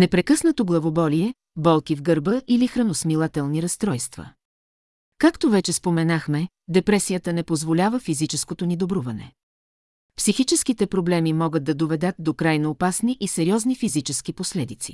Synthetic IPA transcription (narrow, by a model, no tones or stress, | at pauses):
nɛpɾɛkɤsnɐt̪oɡlˠɐvobɔliɛ | bɔlˠkivɡəɾbəʔilixɾɐnosmilˠat̪ɛlˠniɾɐst̪ɾɔjst̪və̰ | kakt̪ovɛt͡ʃɛspomɛnaxmɛ | d̪ɛpɾɛsijət̪ənɛpozvolʲavəfizit͡ʃɛskot̪onid̪obɾuvɐnɛ̰ | psixit͡ʃɛskit̪ɛpɾoblɛmimɔɡət̪̚ːɐd̪ovɛd̪ət̪̚d̪okɾajnoːpasniʔisɛɾiɔznifizit͡ʃɛskiposlɛd̪it̪sḭ